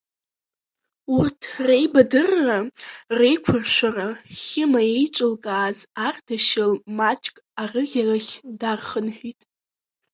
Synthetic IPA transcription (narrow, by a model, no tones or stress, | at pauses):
urtʰrejbadɨrːarejkʷʰʊrʃʷaraχʲɪmaejʈ͡ʂʼɨlkʼaːzardaʃɪlmat͡ʃʼkʼarɨʁʲaraχʲdarχənħʷᶣitʼ